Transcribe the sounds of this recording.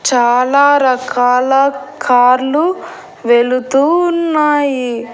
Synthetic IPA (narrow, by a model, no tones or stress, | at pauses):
t͡ʃaːlaːɾɐkaːlɐkʰaːɾlu | ʋe̞lut̪uːnːaːji